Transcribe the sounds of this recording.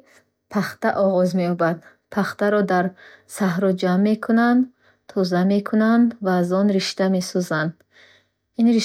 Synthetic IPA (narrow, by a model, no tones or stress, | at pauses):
pʰaχt̪aʔɔʁɔzmeɔbad̪ | pʰaχt̪aɾɔd̪aɾsaɦɾɔd͡ʒamːe̞kʰunand̪ | t̪ʰɔzame̞kʰunand̪vaːzɔnɾiʃt̪ame̞sɔzand̪ | inɾi